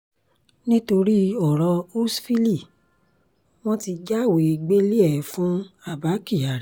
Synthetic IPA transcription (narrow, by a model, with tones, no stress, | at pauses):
nĩ˦to˧ɾi˦ɔ˦˨ɾɔ˧o˦sfi˦li˦˨ | w̃ɔ̃˦ti˧d͡ʒa˦˨we˨i˧˨ɡ͡be˦li˦ɛ˨fũ˦a˦˨ba˨˦ki˦˨a˨ɾ